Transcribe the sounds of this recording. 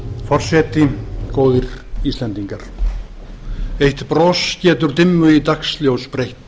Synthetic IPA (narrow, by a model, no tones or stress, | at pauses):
fɔr̥sɛt̪ɪkoːwðɪɾ̥iːst̪lɛnt̪iŋkaɾ̥ | ejht̪pɾɔːscɛːt̪ʏɾ̥t̪ɪmːʏit̪aksljowspɾejht̪